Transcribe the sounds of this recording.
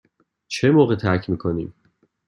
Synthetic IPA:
t͡ʃʰemoːɣet̪ʰæɾcʰmiːkʰoniːm

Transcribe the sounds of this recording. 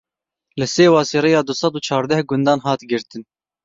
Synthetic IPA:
lɨseːwɑːsiːɾejɑːd̪ʊsɑd̪uːt͡ʃʰɑːɾd̪ɛhɡʊnd̪ɑːnɦɑːt̪ɡɪɾt̪ɨn

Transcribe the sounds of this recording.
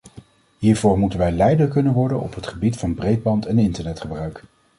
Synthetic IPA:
ɦiːɹvʊːɹmutənʋɛjlɛjdəɹkɵnənʋɔɹdənɔ̰pɦətχəbitfɑnbrejd̚bɑntɛnɪntəɹnɛtχəbrœɥk

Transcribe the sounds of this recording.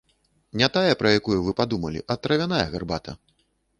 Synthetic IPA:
nʲat̪ajɛpɾɐjakujuvɨpad̪umɐlʲḭʔɐt̪ːɾɐvʲanajɐɣarbat̪ɐ

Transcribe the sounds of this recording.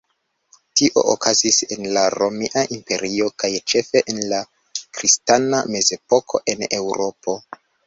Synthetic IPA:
tiʔo̞̰o̰kazise̞nlaɾo̞miʔaʔimpe̞̰ɾio̞kajt͡ʃe̞fe̞ʔenla | kɾistaname̞ze̞po̞kʰo̞̰ʔe̞ne̞wɾo̞po̞

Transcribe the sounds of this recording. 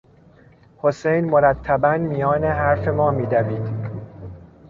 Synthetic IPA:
ho̞se̞jnmoɾæt̪ʰːæbænmijɒːneɦæɾfe̞mɒːmiːd̪æviːd̪

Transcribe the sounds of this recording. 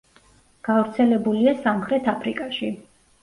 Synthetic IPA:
ɡ̥avɾt̪sʰɛlɛbuliasamχɾɛt̪ʰapʰɾikʼaʃi

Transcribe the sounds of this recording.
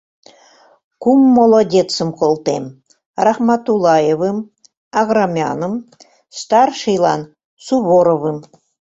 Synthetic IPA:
kumːolˠodʲet͡sə̆mkolˠt̪em | rɑχmɑt̪ulˠɑjevɨm | ɑɣrɑmʲɑ̰nə̆m | st̪ɑrʃijlˠɑ̰n | suβoɾovɨm

